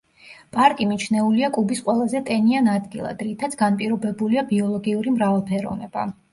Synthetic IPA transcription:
pʼaɾkʼimit͡ʃʰnɛuliakʼubisqʼwɛlˠazɛt̪ʼɛnianad̪ɡilˠa̰d̪ɾit̪ʰat̪sʰɡ̥anpʼiɾɔbɛbuliabiɔlˠɔɡiuɾimɾavalˠpʰɛɾɔ̰vnɛb̥a̰

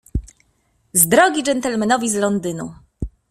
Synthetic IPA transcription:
zd̪ɾɔɡʲid͡ʐɛnt̪ɛlmɛnɔvʲizlɔnd̪ɘnṵ

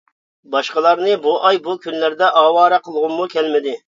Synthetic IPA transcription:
bɑʃqəlˠɑɾnɨbuʔɑjbukʲʰynlæɾd̪ɛʔɑːwɑːɾɑqʰəlˠʁʊmmukʲʰɛlmɪd̪ɪ

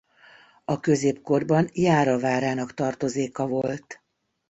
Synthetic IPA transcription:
ɒkø̞zeːpko̞rbɒnjaːɾɒvaːɾaːnɒkt̪ɒrt̪o̞zeːkɒvo̞lt̪

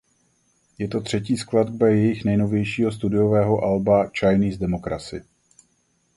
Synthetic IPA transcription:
jɛt̪o̞t̪r̝̥ɛciːskladbajɛjɪxnɛjno̞vjɛjʃiːɦost̪udɪjo̞vɛːɦo̞ʔalbat͡ʃajniːzdɛmo̞kɾat͡sɪ

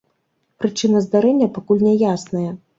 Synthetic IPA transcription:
pɾɨt͡ʂɨnɐzd̪aɾɛnʲːɐpakulʲnʲɛjasnɐjɐ

